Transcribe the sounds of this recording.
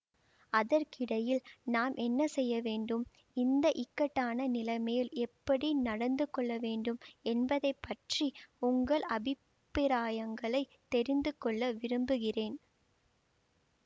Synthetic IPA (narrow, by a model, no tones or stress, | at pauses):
ɐðɐɾkɪɽɐjɪlnaːmʔɛnːɐsɛjːɐʋeːɳɖɯm | ɪnd̪ɐʔɪkːɐʈːaːnɐnɪlɐɪmejɪlɛpːɐɽinɐɽɐnd̪ɯkːɔɭːɐʋeːɳɖɯmɛnbɐðɐɪpːɐʈriʊŋɡɐɭɐbɪ | pːɪɾaːjɐŋɡɐɭɐɪt̪ɛɾɪnd̪ɯkɔɭːɐʋɪɾɯmbɯɣɪreːn